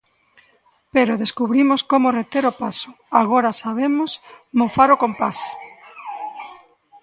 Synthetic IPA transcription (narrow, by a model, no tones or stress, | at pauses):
peɾʊðeskuβɾimʊskomʊret̪eɾopasʊ̥ | aɣoɾasaβ̞emʊs | mõfaɾokompas